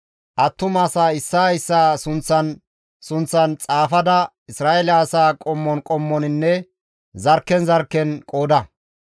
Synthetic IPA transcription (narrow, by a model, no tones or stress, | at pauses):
ʔɐt̪ːʊmaːsaːɪsːaːɪsːaːsʊnt͡sːɐn | sʊnt͡sːɐnt͡sʼaːfɐd̪ɐ | ɪsɾaːʔɛlaːsaːkʼɔmːɔnkʼɔmːɔnɪnːɛ | zɐɾkːɛnzɐɾkːɛnkʼo̞ːd̪ɐ